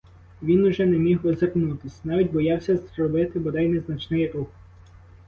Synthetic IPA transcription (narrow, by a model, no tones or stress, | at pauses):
ʋʲinʊʒɛnɛmʲiɦʋɔzernut̪ɪsʲnɑʋʲitʲbɔjɑwsʲɐzɾɔbɪt̪ɪbɔd̪ɛjnɛznɐt͡ʃnɪjɾux